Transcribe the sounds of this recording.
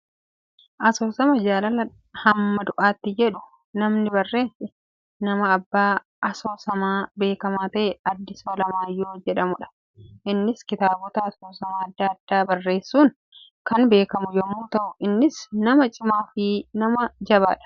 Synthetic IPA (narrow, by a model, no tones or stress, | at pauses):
ʔɐsoːsɐmɐd͡ʒaːlɐlɐ | hɐmːɐd̪ʊʔaːt̪ːɪd͡ʒɛᶑʊ | nɐmnɪbɐrːe̞ːsɛ | nɐmɐːbːaː | ɐso̞ːsɐmaːbe̞ːkɐmaːt̪ɐʔɛɐd̪ːɪsoːlɐmaːjːoːd͡ʒɛᶑɐmʊᶑɐ̥ | ʔɪnːɪskɪt̪aːbɔt̪ɐːsoːsɐmaːɐd̪ːɐːɐd̪ːaːbɐrːe̞ːsːuːn | kɐnbe̞ːkɐmʊjɔmːuːt̪ɐʔʊʔɪnːɪsnɐmɐt͡ʃʼɪmaːfɪnɐmɐd͡ʒɐβa̰ːᶑɐ̥